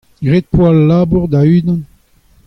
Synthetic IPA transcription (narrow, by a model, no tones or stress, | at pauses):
ɡʁet̪̚pwalːaːbuʁd̪ayːd̪ɑ̃n